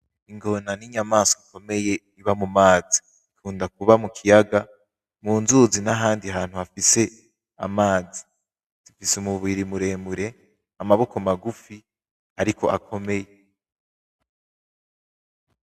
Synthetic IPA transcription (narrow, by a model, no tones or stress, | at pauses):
iŋɡo̞naniɲamaːsoiko̞me̞je̞ | iβamumaːzi̥ | ikʰuːndak̚uβamukʰijaɡa | muːnzuzinaɦaːndiɦaːn̥huafise̞ | a̰maːzi | z̥ifisumuβiɾimuɾe̞ːmuɾe̞ | amaβo̞komaɡufi | aɾiko̞̰ʔakʰo̞me̞je